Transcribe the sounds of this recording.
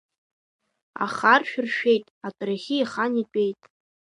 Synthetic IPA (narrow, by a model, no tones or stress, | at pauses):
a̰χarʃᶣʏrʃᶣejtʼatʼraχʲɪiχanit͡pʼe̞jtʼ